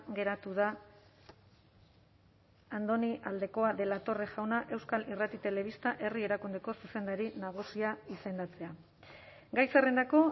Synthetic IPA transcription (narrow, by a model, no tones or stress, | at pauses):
ɡe̞ɾat̪uð̞a | nd̪o̞niʔald̪e̞ko̞aðe̞lat̪o̞reʝawnaʔe̞wskalirat̪it̪e̞le̞βist̪aʔe̞rie̞ɾakund̪e̞ko̞suse̞nd̪aɾinaɣ̞usiaise̞nd̪at͡se̞a | ɡajsere̞nd̪ako̞